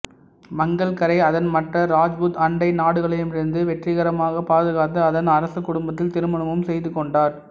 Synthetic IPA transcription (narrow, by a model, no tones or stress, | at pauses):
mɐŋɡɐɭkɐɾɐɪɐðɐnmɐʈrɐɾaːd͡ʒʋut̪ɐɳɖɐɪnaːɽɯɣɐɭɐjɯmɪɾɯnd̪ɯʋɛʈrɪɣɐɾɐmaːɣɐpaːðɯɣaːt̪ːɯɐðɐnɐɾɐsɯkːʊɽʊmbɐt̪̬ːɪlt̪ɪɾɯmɐɳɐmɯmsɛjðɯkːɔɳɖaːɾ